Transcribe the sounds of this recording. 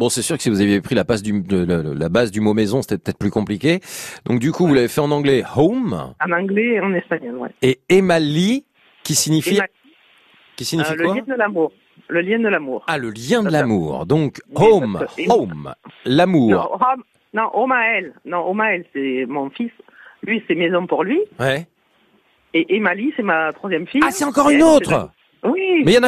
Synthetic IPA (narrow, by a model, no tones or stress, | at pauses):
bɔ̃sɛsyʁkə̥sivuzavjepχilapasd̪yləl̰labazd̪ymomezɔ̃se̥t̪ɛpət̪ɛt̪χplykɔ̃plikʲed̪ɔ̃k̚d̪ykuvulavefɛɑ̃nɑ̃ɡlɛhomɑ̃nɑ̃ɡlɛɑ̃nɛspaɲɔlwɛ̰eemali | kʲisiɲifi | kʲisiɲifilkwajɛ̃d̪əlamuʁ | ləljɛ̃d̪əlamuːʁaləljɛ̃d̪əlamṵʁd̪ɔ̃komomlamuːʁɔm | nɔ̃ʔomaɛlnɔ̃omaɛlsɛmɔ̃fis | lɥisɛmezɔ̃puʁlɥiwɛ | eʔemalisɛmat̪χwazjɛmfijasɛt̪ɑ̃kɔʁynot̪χ | wimɛjɑ̃na